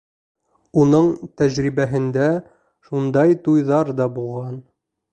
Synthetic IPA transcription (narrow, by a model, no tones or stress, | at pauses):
unɤɴt̪æʑɾibæɦɘ̆nd̪æ | ʃund̪ɑjt̪ujðɑɾd̪ɑbulˠʁɑn